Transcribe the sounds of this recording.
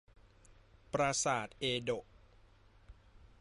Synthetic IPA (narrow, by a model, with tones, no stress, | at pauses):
pɾa˧saː˨˩t̪̚ʔeː˧do˨˩ʔ̚